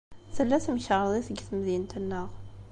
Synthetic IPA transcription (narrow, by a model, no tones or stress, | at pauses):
θəlːæθmʃʁðˤiθəɡθmðint̪ənːəʁ